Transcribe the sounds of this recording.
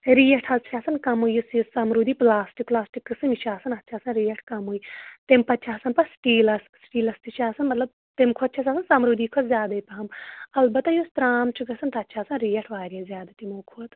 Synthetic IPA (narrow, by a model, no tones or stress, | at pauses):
ɾiːjɐʈʰɐzt͡ʃʰaːsɐnkɐmuijusisɐmɾuːd̪iːplaːsʈik̚plaːsʈikːɨsɨmiʃaːsɐnɐt̪ːt͡ʃʰaːsɐnɾiːjɐʈʰkɐmuit̪empɐt͡ʃʰaːsɐnpɐsʈiːlɐsksʈiːlɐst̪iʃaːsɐnmɐt̪lɐb̚ | t̪emkʰoɐt̪̚t͡ʃʰɐs̬ʲaːsɐnsɐmɾuːd̪iːkʰot̪zʲjaːd̪ɐipɐɦɐmɐlbɐt̪ːajust̪ɾaːmt͡ʃʰɨkɐsɐnt̪ɐːtːʃʰaːsɐnɾiːjɐʈʰʋaːɾijɐzʲjaːd̪ɐt̪imoːkʰoɐt̪